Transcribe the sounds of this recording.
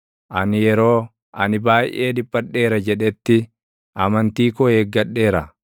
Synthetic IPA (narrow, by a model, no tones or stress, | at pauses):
ʔɐnɪjɛɾo̞ː | ʔɐnɪbaːjʔe̞ːd̪ɪpʼːɐᶑːe̞ːɾɐd͡ʒɛᶑɛt̪ːɪ | ʔɐmɐnt̪iːkɔheːɡːɐᶑːe̞ːɾɐ